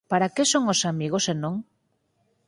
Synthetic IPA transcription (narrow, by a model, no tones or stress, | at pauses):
paɾakesoŋosamiɣ̞osenõŋ